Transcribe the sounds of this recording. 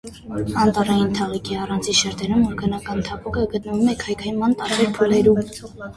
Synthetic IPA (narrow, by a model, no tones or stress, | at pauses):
ɑnt̪ɑrɑjint̪ʰɑʁikʰiɑrɑnt͡sʰiʃɛɾt̪ɛɾumɔɾɡənɑkɑnt̪ʰɑpukəɡət̪̚nəvumɛkʰɑjkʰɑjimɑnt̪ɑɾbɛɾpʰulɛɾum